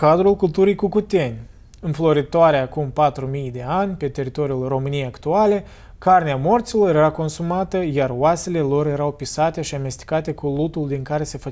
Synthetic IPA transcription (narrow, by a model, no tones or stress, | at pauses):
kad̪ɾulkult̪uɾijkukut̪e̞nʲ | ɨnflo̞ɾit̪oaɾeakumpat̪ɾumijd̪e̞anʲpe̞t̪e̞ɾit̪o̞ɾiulro̞mɨnijejakt̪uale̞ | karneamo̞rt̪silo̞ɾjɾje̞ɾako̞nsumat̪əjaroase̞le̞lo̞rje̞ɾawpisat̪e̞ʃiame̞st̪i̥kat̪e̞kulut̪uld̪iŋkaɾe̞se̞fə